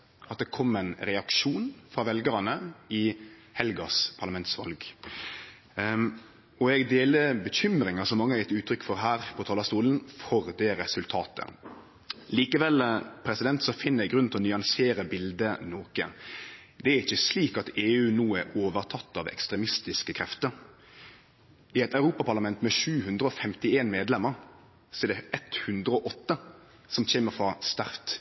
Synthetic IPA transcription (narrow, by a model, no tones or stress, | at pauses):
ʔɑt̪̚d̪ɛkʰɔmːɛɪnɾɛɑkʃuːnfɾɑːʋɛlɡəɾɑnəɪhɛlɡɑspʰɑɾlɑmɛnt̪sʋɑ̰lɡ | ɔɛɡd̪eːləbəçʏmɾɪŋɑsɔmːɑŋːəhɑɾjɪt̪ːʉːt̪ʰɾʏkːfɔɾɦæːɾpʰɔt̪ʰɑːlɑst̪uːln̩fɔɾd̪eːɾɛsʉlt̪ʰɑːt̪ə̰ | liːkəʋɛlpʰɾɛsɪd̪ɛnt̪sɔfɪnːəɛɡɾʉnnt̪ɪlɔnʏɑnseːɾəbɪld̪ənɔːkə | d̪ɛæɾɪçːəsliːkɑt̪eːʉːnuːæɾoːʋəɾt̪ʰɑt̪ːɑʋɛ̰kst̪ɾɛmɪst̪ɪskəkʰɾɛft̪əɾ | ɪɛt̪ɑʉɾuːpɑpʰɑʁlɑmɛnt̪mɛʃʉːhʉnd̪ɾəɔfɛmt̪ɪeːnmeːd̪lɛmːəɾ | sɔɛd̪ɛʔɛt̪hʉnd̪ɾəɔʔɔt̪ːə | sɔmçeːməɾfʁɑst̪æʁt̪